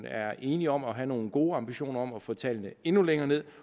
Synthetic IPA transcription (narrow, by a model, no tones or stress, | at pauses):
næɐʔe̝ːniɒ̽m̰ɒ̽ɦæno̝ːn̩ɡ̥o̝ːɑ̈mb̥iɕo̝̰ːnɐɒ̽mæfɔ̰ːt͡sʰɛlnəe̝nuleŋɐːne̝ð̞̰ˠ